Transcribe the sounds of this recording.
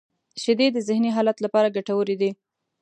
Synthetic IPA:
ʃɪd̪ed̪əzɪhniɦɑlat̪lapɑɾaɡaʈawəɾed̪i

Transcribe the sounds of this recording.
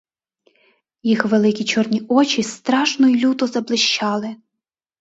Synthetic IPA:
jixʋelˠɪkʲit͡ʃɔrnʲiɔt͡ʃʲist̪ɾɑʃnɔjilʲut̪ɔzɐblˠɪʃt͡ʃɑlˠɪ

